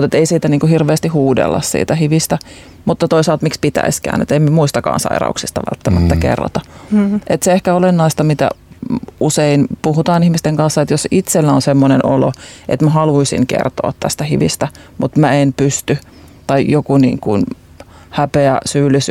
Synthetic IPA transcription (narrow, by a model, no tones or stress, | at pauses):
ut̪et̪eisiːt̪æniːŋkuhirʋeːst̪ihuːdḛlːɑ̰ssḭːt̪æhiʋist̪æ | mut̪ːɑt̪oisɑlt̪mikspit̪æ̰iskæ̰ːnḛt̪emmemuist̪ɑkɑ̰ːnsɑ̰iɾɑ̰uksist̪ɑ̰ʋæ̰lt̪ːæmæt̪ːækḛrːɑ̰t̪ɑʔet̪seehkæolenːɑist̪ɑmit̪æ̰useinpuhut̪ɑːnihmist̪eŋkɑnsːɑet̪josit̪selːæonsemːoneno̰lo̰ʔḛt̪mæhɑluisḭŋkḛrt̪o̰ɑt̪t̪æ̰st̪æhiʋḭst̪æmut̪mæenpyst̪y | t̪ɑijokunḭːŋkṵn | hæpeæsyːlːis